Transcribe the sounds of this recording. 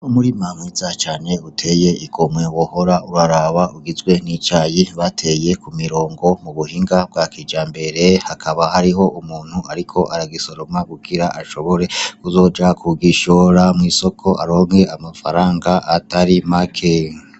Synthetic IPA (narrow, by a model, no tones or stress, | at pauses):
umuɾimamwizat͡ʃaːne̞utʰe̞je̞iɡomwe̞woho̞ɾauɾaɾaβauɡizɡwe̞nit͡ʃajiβatʰe̞je̞kumiɾo̞ːŋɡo̞muβuhiːŋɡab̚ɡakiːd͡ʒaːmbe̞ɾe̞hakʰaβahaɾiɦo̞ʔumuːn̥huaɾikʰo̞ʔaɾaɡiso̞ɾomaɡuɡiɾaʔaʃo̞βo̞ɾe̞kuzo̞ːd͡ʒakʰuɡiʃoɾamŋiːso̞kʰo̞ʔa̰ɾome̞amafa̰ɾaːŋɡaʔataɾimakʰe